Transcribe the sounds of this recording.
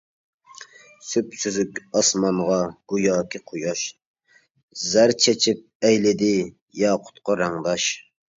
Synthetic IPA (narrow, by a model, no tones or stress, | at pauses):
sypsyzykʲɑsmɑnʁɑɡ̥ujɑːkʲʰiqʰojɑʃ | zæɾt͡ʃʰɛt͡ʃʰip̚ɛjlɪd̪ɪ | jɑːqʰʊ̥t̪qɑɾɑŋd̪ɑʃ